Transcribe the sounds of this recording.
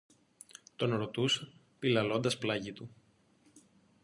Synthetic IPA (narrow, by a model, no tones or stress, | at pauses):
t̪o̞nɾot̪us | pilɐlo̞nd̪ɐsplɐʝit̪u